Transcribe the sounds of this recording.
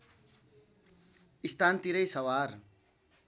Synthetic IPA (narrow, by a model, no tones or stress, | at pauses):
ist̪ʰant̪iɾʌjsʌwaɾ